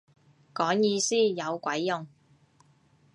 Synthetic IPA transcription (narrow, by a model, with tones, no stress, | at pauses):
kɔː˨˥ŋjiː˧siː˥jɐ˨˧wkʷɐ˨˥jːʊ˨˩ŋ